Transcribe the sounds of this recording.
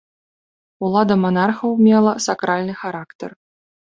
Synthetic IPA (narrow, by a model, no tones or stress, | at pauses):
ulˠad̪ɐmanarxɐwmʲɛlˠɐsakɾalʲnɨxaɾakt̪ɛ̰r